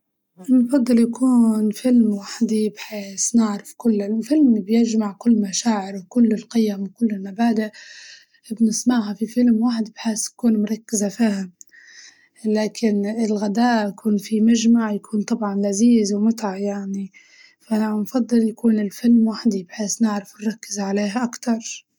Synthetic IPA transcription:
nfɑd̪ˤːɨljakʰuːnfɪlmwaħd̪ijbħeːsnɪʕɾɪfkʊlːafɪlmbjɪd͡ʒmaʕkʊlːmaʃaːʕɪɾwkʊlːɪlqɪjːamwkʊlːɪnːabaːd̪a | bnɪsmaʕɦafifɪlmwaːħɪd̪bħeːsjakuːnmʊɾˤɑkːɪzafaːham | laːkʰɪnɪlɣad̪aːʔkʰuːnfimaʒmaʕjakʰuːnt̪ˤɑbʕɑnlaziːzwmʊt̪aʕjaʕni | faʔaanfɑd̪ˤːɨljakuːnɪlfɪlmwaħɪd̪ibħeːsnɪʕɾɪfnɾˤɑkːɪzʕaleːhaʔakt̪ɑɾˤ

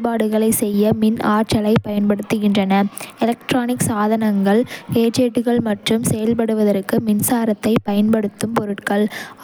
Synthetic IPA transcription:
paːɽɯɣɐɭɐɪsɛjːɐmɪnaːɾt͡ʃɐlɐɪpːɐjɐnpɐɽɯt̪ːɯɣɪndrɐnɐɪlɐk̚ʈɾaːnɪksaːðɐnɐŋɡɐɭkeːt͡ʃeːʈːɯɣɐɭmɐʈrɯmsɛjɐlp̬ɐɽɯʋɐðɐɾkːɯmɪnsaːɾɐt̪ːɐɪpɐjɐnpɐɽɯt̪ːɯmpɔɾɯʈkɐɭ

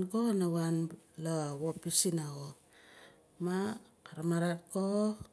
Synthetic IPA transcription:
ɡonawanlawopisinaɣo | makaɾamaɾat̚ko

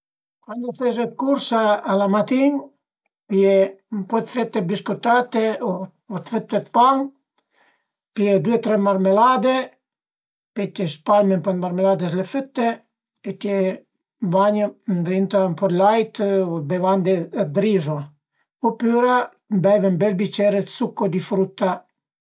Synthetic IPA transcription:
kwand̪ɔθɛʃɛkuɾsaːlamat̪in | pjɛmpɔt̪fɛt̪ːɛbiskut̪at̪ɛo | ɔt̪fɛt̪ːɛt̪paŋ | piɛd̪uɛt̪ɾɛmaɾmɛlad̪e | pɛt̪ɛspalmɛnpɔnmaɾmɛlad̪ɛslɛfət̪ːɛ | ɛt̪jɛ | vaɲənd̪ɾint̪ampɔɾlajt̪ɔbɛvand̪ɛd̪ɾizɔa | upyɾa | mbɛvɛnbɛlbit͡ʃɛɾɛt̪sukːɔd̪ifɾut̪a

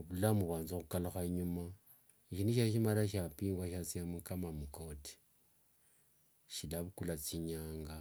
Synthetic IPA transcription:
βulamuβaːnzoxukalaxaɲuma | iʃiniʃaʃimalaʃ̬apiːŋɡwaʃat͡siamukamamuko̞ti̥ | ʃilaβukulat͡siɲaːŋɡa

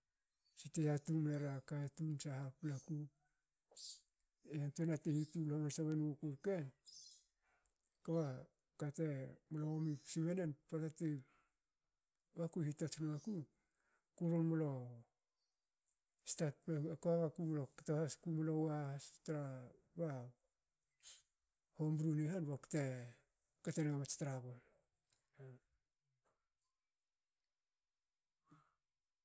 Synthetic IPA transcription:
siteatumeɾakatunsahaplaku | eantuenatehitulomansaβenuokuɾken | kaβa | katemoloomipsiβenenpatate | βakuhitatunaku | kuɾonmolo̞ | stat̚peakoaβakumolokatohaskumolowaastɾa | ba | hombɾunihanβaku̥te | kateneamat͡ʃtaɾaβon

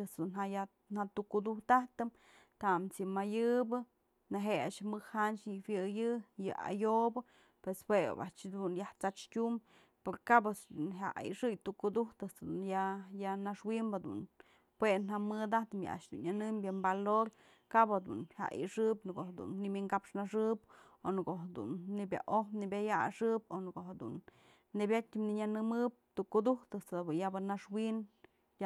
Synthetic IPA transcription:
ɨsd̪unɦaja | nhat̪ukud̪uht̪aht̪ɨm | t̪amt͡sɨmajɨbɨ | naɦea̰ʔʃmɨhhant͡ʃɲifjɨjɨjɨa̰jobɨ | pweswḛba̰ʔt͡ʃd̪unjaht͡sat͡ʃkʲum | poɾkabɨsd̪unɦa̰ḭʂɨjt̪ukud̪uht̪ɨsd̪unjajanaʂwimbad̪ṵn | pwenamɨd̪aht̪ɨmja̰a̰ʃd̪ṵnanɨmbjembaloɾ | kabad̪ṵnha̰ʔʔḭʂɨpnɨko̰had̪ṵnːimʲiŋkapʂnaʂɨp | onɨkoʔɦad̪ṵnːibʲja̰ʔohnibʲaja̰ʂɨponɨkoʔɦad̪ṵnː | ebʲat̚ʲimniɲanɨmɨp̚t̪uʔkud̪uht̪ɨsad̪bɨjabɨnaʂwin | ja

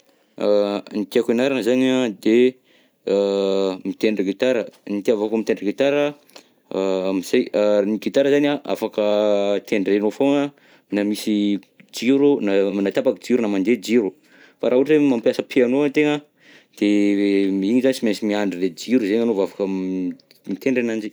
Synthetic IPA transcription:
anit̪iakenaɾanəzaniad̪e | mit̪eɳɖ͡ʐəɡit̪aɾənit̪iavakomit̪eɳɖ͡ʐɡit̪aɾə | amiz̥ajniɡit̪aɾəzaniaʔa̰fakət̪ʰeɳɖ͡ʐenofoŋə | namisi | d͡ʒiɾunanat̪apakid͡ʒiɾunamand̪ed͡ʒiɾu | faɾʔaɦuʈ͡ʂemampjasəpianoant̪eŋə | d̪̥emiɲizanisimesimiaɳɖ͡ʐiled͡ʒiɾuzeɲanovavakə | mit̪eɳɖ͡ʐenand͡ʒi

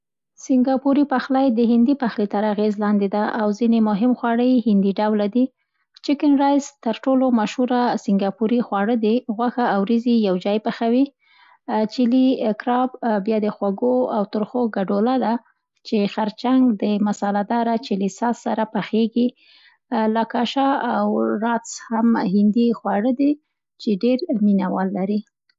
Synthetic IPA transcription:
sɪŋɡɑpuɾipaxlajd̪əɦɪnd̪ipaxlet̪aɾaɣezlɑnd̪ed̪aʔawzinemʊɦɪmxwɑɽəjhɪnd̪iɖawlad̪i | t͡ʃɪkɪnɾɑjzt̪aɾʈolomaʃhuɾasɪŋɡɑpuɾixwɑɽəd̪iɣwaxaːwɾizijawd͡ʒɑjpaxawi | t͡ʃɪlikɾɑbbjɑd̪əxwaɡoawt̪ʊɾxoɡaɖolad̪a | t͡ʃexaɾt͡ʃaŋɡd̪əmasɑlad̪ɑɾat͡ʃilisɑsːaɾapaxeɡi | lakɑʃaawɾɑt͡shamhɪnd̪ixwɑɽəd̪i | t͡ʃeɖeɾminawɑlːaɾi

